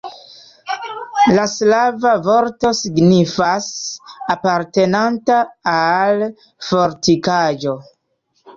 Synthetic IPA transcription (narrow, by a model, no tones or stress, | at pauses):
laslavavo̞ɾto̞siɡnifasapaɾte̞nantaal | fo̞ɾtikad͡ʒo̞